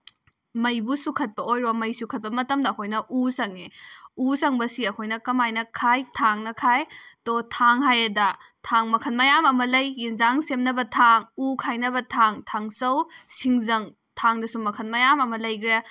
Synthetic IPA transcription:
mɐjbusukʰɐt̚pɐojɾomɐjsukʰɐt̚pɐmɐtɐmdɐːkʰojnɐʔusɐŋeusɐŋbɐsiɐkʰojnɐkɐmajnɐkʰajtʰaŋnɐkʰajtotʰaŋɦajɐdɐtʰaŋmɐkʰɐnmɐjamɐmɐlɐjːinzaŋsemnɐbɐtʰaŋukʰajnɐbɐtʰaŋtʰaŋsɐwsiŋzɐŋ | tʰaŋdɐsumɐkʰɐnmɐjamɐmɐlɐjɡɾe

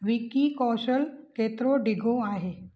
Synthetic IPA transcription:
ʋikikɔʃəlket̪ɾoɖiɡʱoaːɦe

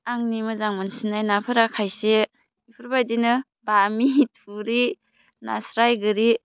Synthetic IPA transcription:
aŋnimɯzaŋmansinajnapʰɯɾakʰajse | ipʰɯɾbajdinɯ | bamitʰuɾi | na̰sɾajɡɯɾi

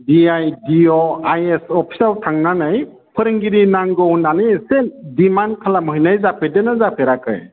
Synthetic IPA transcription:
diajdiɔajesɔpʰi̥sawtʰaŋnanaj | pʰɯɾɯŋɡiɾinaŋɡɔwnanɯjesedimankʰalamɯjnajzapʰedenazapʰeɾakɯ̰j

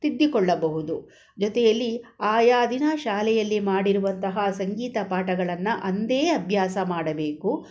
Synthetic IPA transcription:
t̪id̪ːikɔɭːɐbɐɦud̪u | d͡ʒɔt̪ɛjɐlːiaːjaːd̪ʱinɐʃaːlɛjɐlːimaːɽiɾuʋɐnt̪ɐɦɐsɐŋɡiːt̪ɐpaːʈɐɡɐɭɐnːuʔɐnd̪e̞ːɐbʱjaːsɐmaːɽɐbe̞ːku

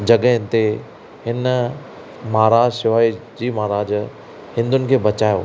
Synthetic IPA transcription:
d͡ʑɐɡəɦɪ̃nt̪e | hɪn | maːɾaːd͡ʑsɪʋaːid͡ʑiːmaːɾaːd͡ʑ | hɪ̃nd̪ʊnɪ̆kʰeːbɐt͡ɕaːjo̰ː

